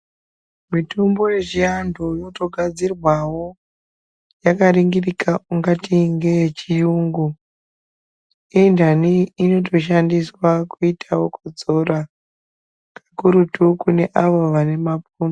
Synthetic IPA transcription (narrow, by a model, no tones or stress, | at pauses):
mitumbo̞je̞ʐiandojo̞to̞ɡʱad͡zirwawo̞ | jakaɾiŋɡirikʰauŋɡatiŋɡe̞t͡ʃijuːŋɡu | indaniːno̞tʰo̞ʃandiswakuitʰawo̞kud͡zo̞ɾa | kʰakuɾutukune̞ʔaʋo̞ʋane̞mapuːno